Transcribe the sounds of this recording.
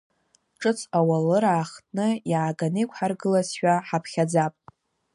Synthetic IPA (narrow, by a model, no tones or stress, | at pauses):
ʈ͡ʂʼɨt͡sʰʼawalɨɾaːχtʼnɨjaːɡanɨjkʷʰʼħarɡɨlazʃᶣaħapʰχʲad͡zapʼ